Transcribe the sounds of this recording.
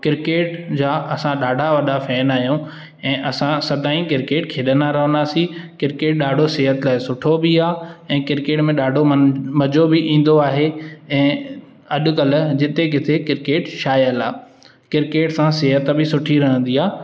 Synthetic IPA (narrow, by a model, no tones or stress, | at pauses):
kɪɾkeːʈd͡ʑaːʔɐsãɗaːɖʱaʋɐɗafɛːnaːɦijõ | ɛ̃ːʔɐsãsɐd̪aːĩkɪɾkeːʈkʰeːɗənaɾɐɦə̃nd̪aːsikɪɾkeːʈ̚ɗaːɖʱosɪɦət̪laːɪsʊʈʰobiaːɛ̃ːkɪɾkeːʈmẽɗaːɖʱommɐd͡ʑobɪʔĩːn̆d̪oaːɦeɛ̃ː | ɐʄʊ̆kɐlʊ̆d͡ʑɪt̪eɡɪt̪ʰekɪɾkeːʈʃaːjəlaː | kɪɾkeːʈsãseɦət̪bɪsʊʈʰiɾɐɦə̃nd̪iaː